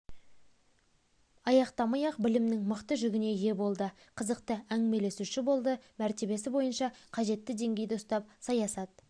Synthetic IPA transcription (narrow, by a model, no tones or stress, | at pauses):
ɑjɑqt̪ɑmɑjɑqbɪlɪmnɪŋməqt̪əʒʏɡʲɪne̞je̞bo̞lˠd̪ə | qʰəzəqt̪əæŋme̞le̞suʃɪbo̞lˠd̪əmæɾt̪e̞be̞sɪbo̞jənʃɑqʰɑʒe̞t̪ːɪd̪e̞ŋɡʲe̞jd̪ɪʊst̪ɑp̚sɑjɑsɑt̪̚